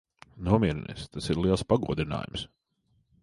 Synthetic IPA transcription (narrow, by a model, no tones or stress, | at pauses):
nuɔmʲiɛɾɛnḭst̪asiɾlˠiɛspaɡuɔd̪ɾina̰ːjṵms